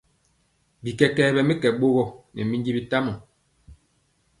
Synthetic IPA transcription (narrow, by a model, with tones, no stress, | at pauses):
bi˨kɛ˨kɛː˨˦˨bɛ˨me˦kɛ˨ɓo˦ɣɔ˦nɛ˨mi˦nd͡ʒi˦bi˦ta˦mɔ˨